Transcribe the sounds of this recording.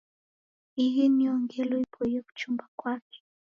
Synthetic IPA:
ijɛniɔŋɡɛlɔipʰɔijɛku̥t͡ʃumbakwakɛ̥

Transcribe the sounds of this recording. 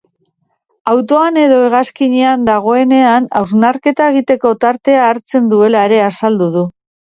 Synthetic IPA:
awt̪o̞ane̞ðo̞e̞ɣ̞askiɲeand̪aɣ̞o̞e̞ne̞ana̰wznaɾke̞t̪ae̞ɣ̞it̪e̞ko̞t̪aɾt̪e̞aːɾt͡se̞nd̪ue̞laeɾe̞asald̪uð̞u

